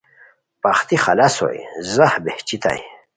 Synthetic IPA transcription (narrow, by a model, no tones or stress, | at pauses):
paχt̪ixɐlaso̰jzahbeht͡ɕit̪a̰j